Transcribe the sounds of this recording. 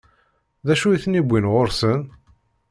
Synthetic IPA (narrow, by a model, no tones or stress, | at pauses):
ðæʃujiθnibʷːinʁoɾsən